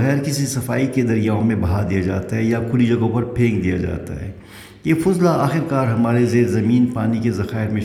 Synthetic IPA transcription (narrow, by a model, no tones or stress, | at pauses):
ɣɛːɾkɪsisɐfaːiked̪ɐɾijaːõmẽbɐɦad̪ijad͡ʒa̰ːt̪aɦɛjakʰʊlid͡ʒɐɡõpɐɾpʰẽːŋkd̪ija̰d͡ʒa̰ːt̪a̰ɦɛ̰ː | jeːfʊzlaaːxɪɾkaːɾɦɐmaːɾezeːɾzɐmiːnpaːnikezɐxaːɪɾmẽ